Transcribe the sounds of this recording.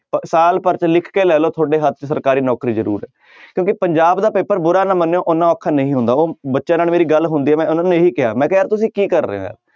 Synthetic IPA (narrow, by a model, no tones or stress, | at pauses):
pəsaːlpəɾt͡ʃlɪkʰkeːlɛːloːt̪ʰoːɖeːɦət̪̚ʰːt͡ʃsəɾkaːɾiːnɔːkɾiːzəɾṵːɾɦɛː | kjõːkɪpəɲd͡ʒaːbd̪aːpeːpəɾbʊɾaːnãːmənːõːʔʊnːãːɔːkʰːaːnəĩːɦʊ̃nd̪aːoːbətːʃãːnaːlmeːɾiːɡəlɦʊnd̪iːɛːmɛ̃ːʊnãːnẽːɦiːkɪɦa̰ːmɛ̃ːkɛat̪ʊsĩːkiːkəɾːḛːo̰ːɛ̰ː